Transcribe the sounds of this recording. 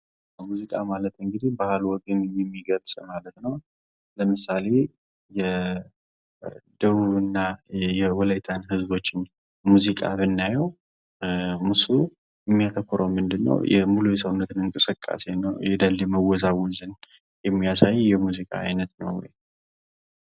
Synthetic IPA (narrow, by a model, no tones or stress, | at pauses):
muzikʼamalət̪ɨŋɡɨd̪ihbahalwɔɡɨnɛjɛmːiɡəlsʼmalət̪nəw | ləmɨsale̞ | jɛ | d̪əβuβɨnːajɛwɔləjt̪ʰanɦɨzbo̞t͡ʃːɪn | muzikʼa̰mɨnːajɛw | musu | jɛmːijat̪ʰəkʰːɔɾəwmɨnd̪ɨnːə̰wjʔɛ̰mulujɛsəwunːət̪ʰɨnɨŋkʼɨsɨkʼːa̰se̞nəjɛd̪alːɛməwɔzawɔzɨn | jɛmːijasajːjɛmuzikʼa̰a̰jnət̪nə̰wːɔ̰j